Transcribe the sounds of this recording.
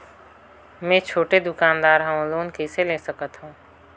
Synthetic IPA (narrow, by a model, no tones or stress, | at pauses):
mɛ̃t͡ʃʰoːʈed̪ʊkaːnd̪aːɾɦə̃loːnkeːselesəkət̪ɦũː